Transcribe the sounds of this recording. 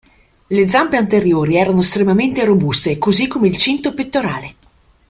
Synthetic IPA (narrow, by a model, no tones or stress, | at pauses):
led̪zampeant̪eɾjoːɾiɛːɾanoest̪ɾemament̪eɾobust̪ekozikːomeilt͡ʃint̪opet̪ːoɾaːle